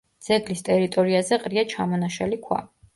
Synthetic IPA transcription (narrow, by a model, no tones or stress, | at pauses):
d̪z̥ɛɡlist̪ʼɛɾit̪ʼɔɾiazɛqʼɾiat͡ʃʰamɔnaʃa̰likʰwa̰